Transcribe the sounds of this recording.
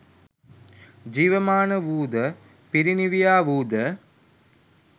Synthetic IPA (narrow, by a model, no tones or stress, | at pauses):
d͡ʒiːʋəmaːnəʋuːd̪ə | piɾiniʋijaːʋuːd̪ə